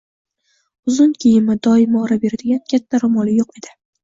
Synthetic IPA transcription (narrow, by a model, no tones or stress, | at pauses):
ʊzʊnkʲʰijɪmɪd̪ɒɪmɒɾabe̞ɾad̪ɪɡʲankʲʰat̪ʰːaɾʊmɒlɪjoqed̪̥ɪ